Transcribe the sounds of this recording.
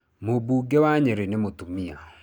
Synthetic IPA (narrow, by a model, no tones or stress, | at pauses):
mobuɡewaɲeɾenemot̪umia̰